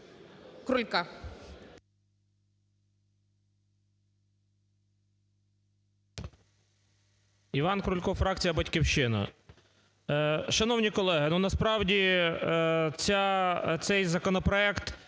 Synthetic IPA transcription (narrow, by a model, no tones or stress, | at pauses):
kɾulʲka | iʋɑnkɾʊlʲkɔfɾɑk̚t͡sʲijɐbɐtʲkʲiwʃɪnɐ̰ | ʃɐnɔwnʲikɔlˠɛɦɪnunɐspɾɑwdʲi | t͡sʲat̪sɛjzɐkɔnɔpɾɔɛkt̪